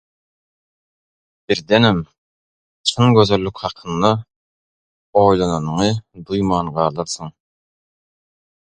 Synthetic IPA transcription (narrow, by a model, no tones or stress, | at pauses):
b̥iɾd̪enem | t͡ʃʰɯŋɡʲøzø̞lːykʲhɑqʰɯnd̪ɑ | ojlˠɑnɑnɯɴɯd̪ɯjmɑːnɢɑːlˠɯɾsɯɴ